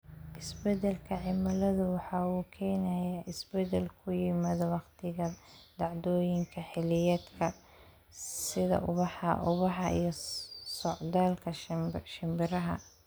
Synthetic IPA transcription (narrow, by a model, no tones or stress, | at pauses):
ʔɪsbɛd̪ɛlkʰɐʕɪmɐlɐðʊwɑħɑːuːkʰɛːnɐjaʔɪsbɛd̪ɛlkʰʊjɪmɐðɐwɑqt̪ʰɪɣɐd̪̥ɑʕd̪ɔːjɪŋkʰɐħɪlɪjɛd̪kʰɐ | sɪðɐ̰ʔʊβɑħɐ̰ʔʊβɑħɑ̰ḭjɞsɔʕd̪aːlkʰɐʃɪmbɪɾɐɦɐ̰